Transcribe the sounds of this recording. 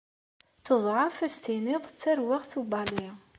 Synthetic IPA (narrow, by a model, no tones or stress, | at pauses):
θəðˤʕɑfæst̪inɪðˤət͡sːæɾwɪʁθubɑli